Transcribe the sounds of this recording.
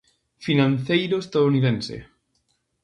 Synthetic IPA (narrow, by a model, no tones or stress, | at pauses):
finãnθejɾoest̪aðouniðẽnsḛ